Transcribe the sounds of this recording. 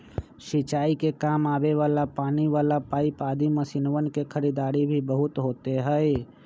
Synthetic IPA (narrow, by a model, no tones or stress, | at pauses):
ʃit͡ʃaːikekaːmaːbeʋaːlapaːniʋaːlapaːipaːd̪iməsinʋənkekʰəɾiːd̪aːɾibʱibəɦʊt̪ɦoːt̪eɦɛɛ